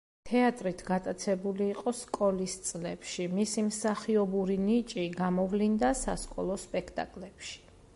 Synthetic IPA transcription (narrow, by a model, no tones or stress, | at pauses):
t̪ʰɛat̪ʼɾit̪ʰɡat̪ʼat̪sʰɛbuliːqʼɔskʼɔlist̪sʼlɛpʃimisimsaχiɔbuɾinit͡ʃʼiɡamɔvlind̪asa̰skʼɔ̰lˠɔspʼɛkʰt̪ʼa̰kʼlɛpʃi̥